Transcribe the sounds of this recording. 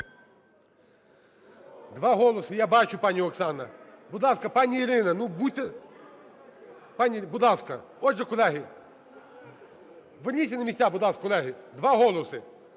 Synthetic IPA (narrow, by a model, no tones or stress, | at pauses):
d̪ʋaɦɔlˠɐsɨjabat͡ʃʊpanʲːiɔksanːɐ̰bʊd̪lˠaskɐpanʲːiiɾɪnɐnubut̪ːɨ | panʲibʊd̪lˠaskɐ | ɔʐɛkʊlʲaɦʲɪ | ʋɪnʲisʲɪnɐmʲisʲtʲabʊd̪lˠaskkʊlʲˠaɦɪd̪ʋaɦɔlˠɐsɨ